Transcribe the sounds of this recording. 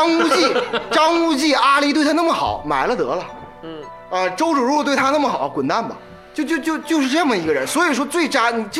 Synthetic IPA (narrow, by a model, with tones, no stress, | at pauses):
ɑ˥ŋu˥t͡ɕi˥˩ʈ͡ʂɑ˥ŋu˥t͡ɕi˥˩a˥li˧˥t̪w̪ʰa˥na˥˩mə˩xɑ̰˨˩˦ʊma˧˥ɪlə˧t̪ɤ̰˧˥lə˧ | ə˧ʈ͡ʂo˥ʊʈ͡ʂu˨˩ɻu˥˧˨t̪we˥˩t̪ʰa˥na˥˩mə˩xɑ˨˩˦kwʊ˨˩nt̪a˥˩nbɐ̰˩ | t͡ɕjo˥˧ʊt͡ɕjʊt͡ɕjo˥˧ʊt͡ɕjo˥˧ʊʂɻ̩˥˧ʈ͡ʂɤ˥˩mə˩i˧˥ɡə˧ɻə˧˥nswɔ˧˥i˨˩ʂ̬wɔ˥t͡swe˥˩ɪʈ͡ʂa˥ni˨˩t͡ɕ